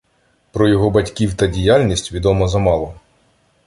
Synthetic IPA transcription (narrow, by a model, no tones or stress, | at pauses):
pɾɔjɔɦɔbɐtʲkʲiwt̪ɐdʲijalʲnʲisʲtʲʋʲid̪ɔmɔzɐmɑlˠɔ